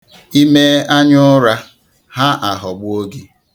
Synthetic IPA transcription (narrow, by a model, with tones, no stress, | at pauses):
i˦me˦a˦ɲʊ˦ɾa˦ | ha˦ʔa˨ɦɔ˨ɡ͡bʊ˦o˦ɡi˦